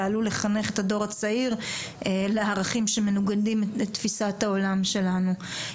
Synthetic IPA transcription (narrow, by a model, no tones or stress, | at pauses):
alule̞χane̞χetado̞ʁat͡saiʁ | leaːʁaχimʃeme̞nuɡadimet̪ːfisathao̞lamʃe̞lanu